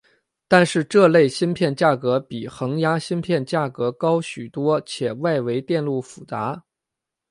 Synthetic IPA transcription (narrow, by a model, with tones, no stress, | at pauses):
t̪a˥˧nʂɻ̩˥˧ʈ͡ʂɤ˥˧le˥˩ɪɕi˥npʰjɛ˥˧nt͡ɕja˥˩kɤ˧˥pi˨˩xɤ˧˥ŋja˥ɕi˥npʰjɛ˥˧nt͡ɕja˥˩kɤ˧˥kɑ˥ʊɕy˨˩t̪wɔ˥t͡ɕʰjɛ˨˩wa˥˩ɪwe˧˥ɪt̪jɛ˥˧nlu˥˩fu˨˩t͡sa˧˥